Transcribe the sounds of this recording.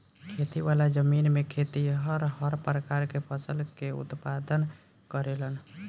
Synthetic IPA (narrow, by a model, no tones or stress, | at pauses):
kʰet̪iʋalad͡ʒəminmekʰet̪iɦəɾɦəɾpɾəkaɾkepʰəsəlkeṵt̪pad̪ən | kəɾelən